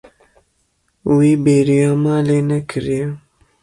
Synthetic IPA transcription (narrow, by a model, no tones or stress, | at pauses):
wiːbeːɾijɑːmaːleːnɛkʰɨɾijɛ